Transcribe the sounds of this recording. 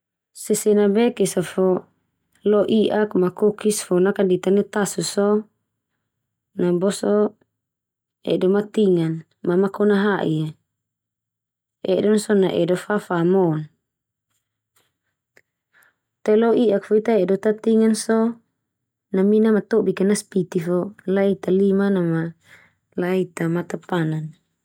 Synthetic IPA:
sɛsɛnabɛkisɔfɔ | lɔʔiʔakmakokisfɔnakadit̪anɛt̪asusɔ | nabɔsɔ | ɛ̰dɔmat̪iŋan | mamakɔnaɦaʔḭe | ɛdɔnsɔnaʔɛ̰dɔfafamɔn | t̪ɛlɔʔiʔak̚foit̪aɛdɔt̪at̪iŋansɔ | naminamat̪obikanaspit̪ifɔlait̪alimanama | lait̪amat̪apanan

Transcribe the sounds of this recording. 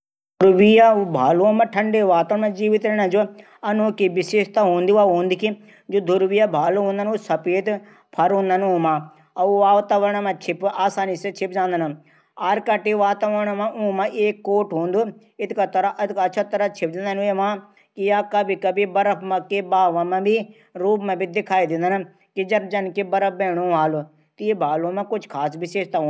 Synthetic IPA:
d̪ɾʋijabʱaːlomɐ̃ʈʰɐɳɖeʋaːt̪ɐɳmɐ̃d͡ʒiːʋit̪ɾɐɳɐ̃d͡ʒo | ɐnoːkiʋɪsiʃt̪aɦõːnd̪iʋaɦõːnd̪iki | d͡ʒod̪ʊɾʋijabʱaːloɦõːnd̪ɐnusɐpeːt̪ | pʰɐɾɦõːnd̪ɐnũːmã | ɐʋaːʋt̪aʋɐɾɳmɐ̃t͡ʃʰɪpaːsaːniset͡ʃʰɪpd͡ʒãːnd̪ɐnu | aːɾkɐʈiʋaːt̪aʋəɾɳamãʔũːmãʔeːkːoːʈɦõːnd̪uː | ɪt̪ʰkat̪ɐɾaʔt̪kːt͡ʃʰat̪əɾat͡ʃʰɪp̚d͡ʒãːnd̪əneːmãː | kijaːkəbʱikəbibəɾəpʰmakebaːʋãːmɛ̃bʱi | ɾuːpmɛ̃bʱid̪ɪkʰaːid̪ɪ̃nd̪ən | kid͡ʒɐɾd͡ʒɐnkibɐɾəp̚bɛːɽ̃õːʋaːlo | t̪iebʱaːlõːmɛ̃kʊt͡ʃʰkʰaːsbɪʃeːʃt̪aɦõː

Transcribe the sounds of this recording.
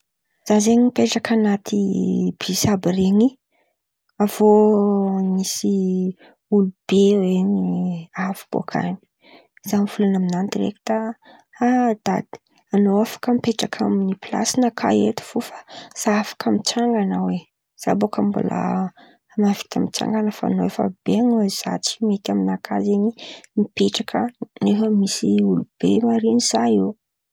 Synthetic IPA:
z̥azeɲipeʈ͡ʂakanat̪ʰib̥isabireŋi | avo | misi | ulub̥eweniafi̥b̥o̰kʰa̰ni̥ | z̥amifulanaminant̪irḛki̥t̪a | ad̪̥ad̪̥i̥ | anoafḁkəmipeʈ͡ʂakʰaminipla̰sinakʰa̰et̪i̥fufḁz̥aafḁkamit͡ʃaŋɡanəwe | z̥a̰bokambṵlʔa̰ | mavi̥t̪ʰa̰mit͡sa̰ŋɡanəfa̰a̰noefə̰b̥eaŋez̥a̰t͡si̥met̪aminakʰazeɲimipeʈ͡ʂakʰənefəmisiulub̥emaɾiniz̥aiw

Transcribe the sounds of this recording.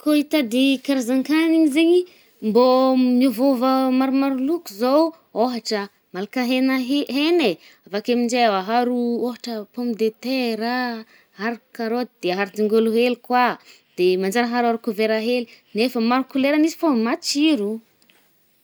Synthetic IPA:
koit̪ad̪ekaɾazaŋkaniɲizeɲi | mbomuvovəmaɾumaɾulukuzow | oɦaʈ͡ʂə | malakaɦenaɦɦene | avakamiɳɖ͡ʐeaɦaɾuoɦaʈ͡ʂəpomid̪et̪eɾa | ɦaɾkaɾod̪d̪̥eɦaɾud̪iŋɡoluɦelkwa | d̪̥emand͡ʒaɾaɦaɾaɾukuveɾaɦelinefəmaɾukuleɾənizi̥fomat͡ʃiɾu

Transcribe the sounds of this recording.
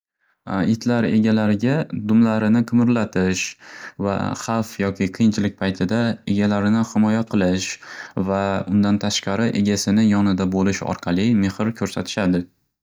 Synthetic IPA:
ɪt̪ʰlaɾe̞̰ɡʲalaɾɪɡʲad̪ʊmlaɾɪnɪqʰɨmɪɾlat̪ʰɪʃva̰χɑfjɒkʲɪqʰɨjɪnt͡ʃʰlɪk̚ʲpʰajt̪ʰɪd̪ae̞̰ɡʲalaɾɪnɪhɪmɒjaqʰɨlˠɪʃvaʊnd̪ant̪ʰaʃqɑɾɪʔe̞ɡʲasɪnɪjɒnɪd̪abolɪʃɒ̰ɾqʰɑlˠɪme̞hɪɾkʲʰɵɾsat̪ʰɪ̥ʃad̪ɪ

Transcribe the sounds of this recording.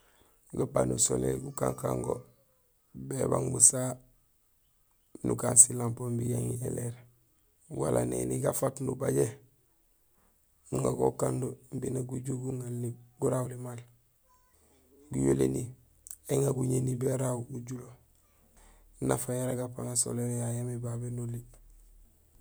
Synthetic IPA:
ɡapanusolḛɡukaŋka̰ŋɡo̰ | beba̰ŋbusa | nukaːnsilampombijaŋieleɾ | wa̰lʔanḛniɡafatnubaɟe | nuŋaɡokandumbinaɡuɟuɡuŋalniɡuɾawulimal | ɡujolḛni | eŋaɡuɲenibeɾawuɟulo | nafajaɾaɡapaŋaso̰leɾejajamebabenuli

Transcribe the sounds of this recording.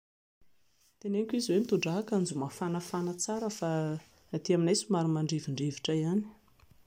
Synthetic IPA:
t̪eneŋkʲiziwemit̪uɳɖ͡ʐaɦakand͡zumafanafanat͡saɾəfa | at̪iaminajsumaɾumaɳɖ͡ʐiviɳɖ͡ʐeviʈ͡ʂaiani̥

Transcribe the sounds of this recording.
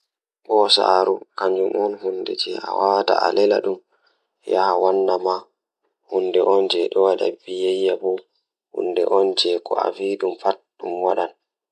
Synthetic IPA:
ɓɔsa̰ːɾukaɲd͡ʒumɔnhundɛ̰d͡ʒɛʔa̰wata̰a̰lɛla̰ɗum | jahawanːama | hundɛʔɔnd͡ʒɛɗɔwaɗa̰bijajːabɔ | hṵndɛ̰ʔɔnd͡ʒɛkɔ̰a̰viːɗumfatɗumwaɗan

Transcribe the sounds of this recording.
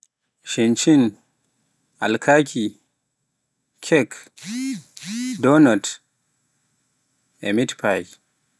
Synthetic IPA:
ʃint͡ʃin | ʔalkʰakʰi | kʰɛk | dɔnɔt | ɛ̰mitpʰaj

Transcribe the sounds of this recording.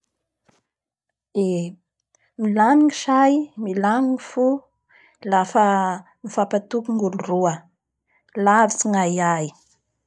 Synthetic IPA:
e | milaniŋiʃajmilaniŋifu | lafə | mifapat̪ukuŋɡuluruə | lavit͡siŋajaj

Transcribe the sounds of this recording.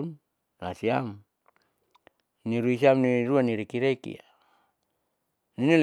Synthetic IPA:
n | na̰siam | niɾuisiamniɾuaniɾikiɾekḭa | ninil

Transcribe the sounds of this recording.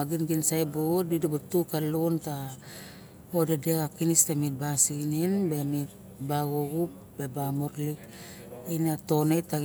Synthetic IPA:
aɡinɡinsajbodidibutukalonta | odedeɣakinistamit̚basiɡininbe̞mit̚ | baɡoɡup | bebamoɾlik | ejnato̞neta

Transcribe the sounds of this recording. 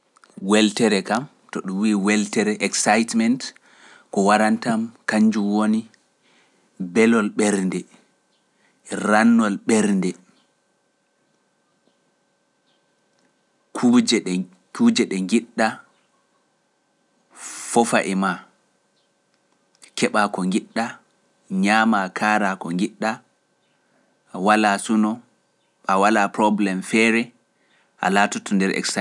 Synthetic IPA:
wɛltɛɾɛkam | tɔɗumwiːwɛltɛɾɛʔɛksajtmɛnt | kɔwaɾantamkaɲd͡ʒumwoni | bɛlɔlɓɛɾndɛ | ɾanːɔlɓɛɾndɛ | kʰud͡ʒɛ | kud͡ʒɛɗɛŋɡiɗːa | fɔfaʔɛma | kʰɛɓakɔŋɡiɗːa | ɲaːmakʰaːɾakɔŋɡiɗːa | ʔawalaːsunɔ | ʔawalaːpɾɔblɛmfɛːɾɛ | ʔa̰laːtɔtʰɔndɛɾʔɛ̰ksa

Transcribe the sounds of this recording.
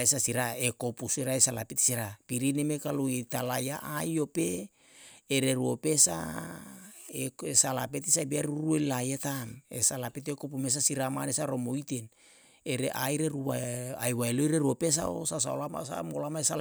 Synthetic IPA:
esasiɾaekopusiɾaesalapet̪siɾapiɾinemekaluit̪alajaʔajopeː | ɾeɾuopesa̰ | eesalapet̪isabiaɾuɾuelajet̪amḛsalapet̪ekop̬umes̬asiɾamanesaɾomoit̪en | eɾeʔajɾeɾuaajwaeloiɾeɾuopes̬a̰o̰sas̬a̰olama̰sa̰molamaesa

